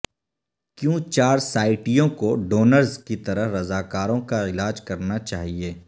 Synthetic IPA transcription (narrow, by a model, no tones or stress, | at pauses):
kjũːt͡ʃaːɾsaːɪʈijõkoɖoːnəɾzkit̪ɐɾəɦɾɐzaːkaːɾõkaɪlaːd͡ʒkɐɾnat͡ʃa̰ːɦieː